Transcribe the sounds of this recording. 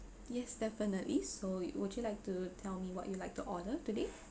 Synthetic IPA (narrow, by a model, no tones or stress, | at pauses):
jɛsdɛfənəʔlissowʊdjulaɪk̚tutʰɛlmiwɔ̰ʔjulaɪk̚tuʔɔnətude